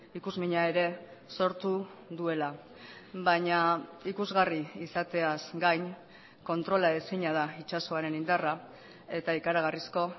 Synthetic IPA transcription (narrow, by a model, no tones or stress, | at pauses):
ikuzmiɲae̞ɾe̞so̞ɾt̪uðue̞la | βaɲaikuzɣariisat̪e̞asɡajn | ko̞nt̪ɾo̞lae̞siɲað̞ait͡ʃaso̞aɾe̞nind̪ara | e̞t̪aikaɾaɣ̞arisko̞